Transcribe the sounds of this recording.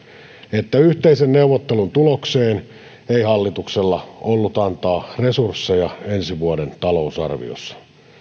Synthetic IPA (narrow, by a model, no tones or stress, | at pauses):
et̪ːæyht̪eisenneuwʋot̪ːelunt̪ulokseːn | eihɑlːit̪ukselːɑolːut̪ɑnt̪ɑːresursːejɑensiʋuodent̪ɑlousɑ̰rʋḭo̰sːɑ̥